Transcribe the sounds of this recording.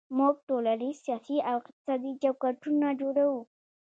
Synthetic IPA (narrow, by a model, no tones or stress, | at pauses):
mʊɡ̚ʈolanisijɑsiawɪqt̪ɪ̥sɑd̪id͡ʒawkaʈʊnad͡ʒoɽawu